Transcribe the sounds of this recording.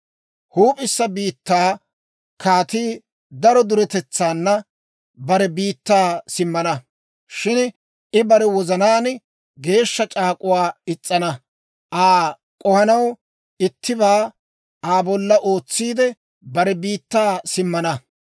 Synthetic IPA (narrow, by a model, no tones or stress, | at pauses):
huːpʼɪsːɐbiːt̪ːaː | kʰaːt̪iː | d̪ɐɾɔd̪ʊɾɛt̪ɛt͡sːaːnːɐ | bɐɾɛbiːt̪ːaːsɪmːɐnɐ | ʃɪn | ʔɪbɐɾɛwɔzɐnaːn | ɡe̞ːʃːɐt͡ʃʼaːkʼʊwaːɪt͡sʼːɐnɐ | ʔaː | kʼɔhɐnɐw | ɪt̪ːɪbaː | aːbɔlːɐʔo̞ːt͡sːiːd̪ɛ | bɐɾɛbiːt̪ːaːsɪmːɐnɐ